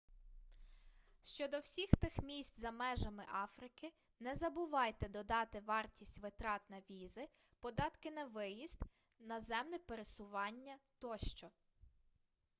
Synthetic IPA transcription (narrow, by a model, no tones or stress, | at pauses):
ʃt͡ʃɔd̪ɔwsʲixt̪ɪxmʲisʲtʲzɐmɛʒɐmɪʔɑfɾɪkɪ | nɛzɐbʊʋɑjt̪ɛd̪ɔd̪ɑt̪ɪʋɑrtʲisʲtʲʋɪt̪ɾɑt̪nɐʋʲizɪ | pɔd̪ɑt̪kɪnɐʋɪjist̪ | nɐzɛmnɛpeɾesʊʋɑnʲːɐt̪ɔʃt͡ʃɔ